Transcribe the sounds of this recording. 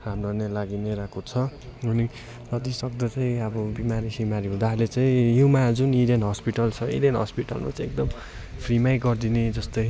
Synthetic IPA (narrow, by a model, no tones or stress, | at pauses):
ɦamrʌnelaɡineɾakot͡sʰʌuni | nʌt̪isʌk̚d̪ʌt͡saĩʌbʌbimaɾisimaɾiɦũd̪aɦɾlet͡saĩjumad͡zuniɾenɦʌspiʈʌlt͡sʰʌḭɾenɦʌspiʈʌ̰lma̰t͡sãek̚d̪ʌm | pʰrimajɡʌrd̪ined͡zʌst̪oj